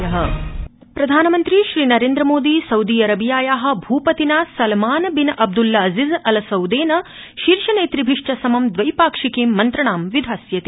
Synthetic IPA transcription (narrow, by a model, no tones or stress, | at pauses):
jɐɦɐ̆ | pɾɐd̪ʱaːnɐmɐnt̪ɾiʃɾiːnɐɾeːnd̪ɾɐmoːd̪iːsɐwd̪iːɐɾɐbʱijaːjaːɦɐ̆bʱuːpɐt̪inaːsɐlmaːnbinɐʔɐb̚d̪ulːɐɐzizɐlɐsɐwd̪eːnɐ | ʃiɾʃɐneːt̪ɾibʱiʂʈɐsɐmɐmd̪ʋɐjpaːkʂikiːmːɐnt̪ɾɐɳaːmʋid̪ʱaːsjɐt̪i